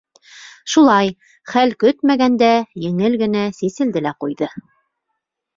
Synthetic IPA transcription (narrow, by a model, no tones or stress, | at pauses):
ʃulˠɑj | χælkɵt̪mæɡænd̪æjɘ̆ŋɘlɡɘ̆næsisɘ̆ld̪ɘlæqujðɤ